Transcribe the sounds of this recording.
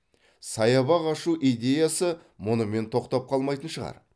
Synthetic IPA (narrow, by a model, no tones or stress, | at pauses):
sɑjɑβɑʁɑʃuʔijd̪ʲe̞jasə | mʊnəme̞nt̪ʰo̞qt̪ɑp̚qʰɑlˠmɑjt̪ənʃəʁɑ̰ɾ